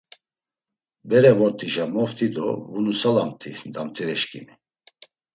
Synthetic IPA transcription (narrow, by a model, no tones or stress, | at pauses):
bɛɾɛvɔɾt̪ʰʼiʒamɔft̪ʰid̪ɔ̰vunusalamt̪ʰid̪amt̪ʰʼiɾɛʃkʼḭni